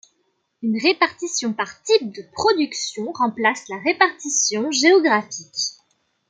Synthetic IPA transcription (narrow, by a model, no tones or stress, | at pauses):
ynʁepaʁt̪isjɔ̃paʁt̪ip̚d̪əpχɔd̪yksjɔ̃ʁɑ̃plaslaʁepaʁt̪isjɔ̃ʒeɔɡʁafik